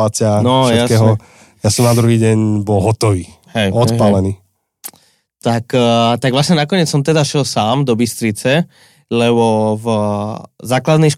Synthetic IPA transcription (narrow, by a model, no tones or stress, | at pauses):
at͡sɪanɔʃjɛaskɛːɦɔ | jasɔmnad̪ɾuɦiːɟɛɲbɔlɦɔt̪ɔʋiː | ɦɛjɔt̪palɛniː | t̪akt̪aɡʋlasɲɛnakɔɲɪɛt͡ssɔmt̪ɛd̪aʃjɛlsaːmd̪ɔbist̪ɾit͡sɛ | lɛβɔv | zaːklad̪nɛjʃ